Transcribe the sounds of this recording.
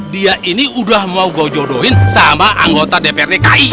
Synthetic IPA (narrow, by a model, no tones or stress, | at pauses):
diaʔiniudahmauɡɔd͡ʒɔdoɦɪnsamaʔaŋɡot̪adepeɛreka̰i